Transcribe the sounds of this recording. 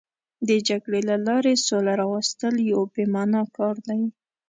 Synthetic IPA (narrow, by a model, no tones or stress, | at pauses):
d̪əd͡ʒaɡɽelalɑɾesolaɾɑwast̪əljawbemɑnɑkɑɾd̪awi